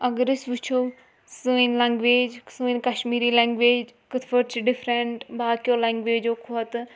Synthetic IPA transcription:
əɡəɾɪsʋɪt͡ʃʰo | suinlɛ̃ːŋɡʋeːd͡ʒsuinkɐʃmiːɾiːlɛ̃ːŋɡʋeːd͡ʒkət̪ʰfəʈt͡ʃɖɪpʰɾɛɳʈbaːkjoːlɛ̃ːŋɡʋeːd͡ʒoːkʰoɐt̪

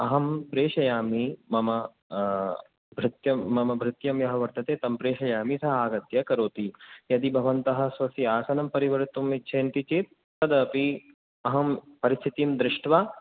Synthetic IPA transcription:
ɐɦɐmpɾeːʂɐjaːmimɐmɐ | bʱɾɪt̪jɐːɐmɐbʱɾɪt̪jɐmjɐɦɐʋɐɾt̪ɐt̪eːt̪ɐmpɾeːʃɐjaːmisɐɦɐaːɡɐt̪jɐkɐɾoːt̪ijɐd̪ibʱɐʋɐnt̪ɐɦɐ̆sʋɐsiaːsɐnɐmpɐɾiʋɐɾt̪umːitːʃʰeːnt̪it͡ʃit̪̚ːɐd̪ɐpi | ɐɦɐmpɐɾist̪ʰit̪imd̪ɾɪʂʈʋaː

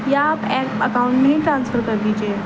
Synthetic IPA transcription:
jaːpɛkəkauɳʈniʈɾãnsfəɾkəɾd̪it͡ɕe

